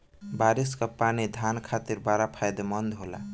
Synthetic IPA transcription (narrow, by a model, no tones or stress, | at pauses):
baɾiskapanid̪ʱankʰat̪iɾbaɾapʰajd̪mənd̪ʱɦola̰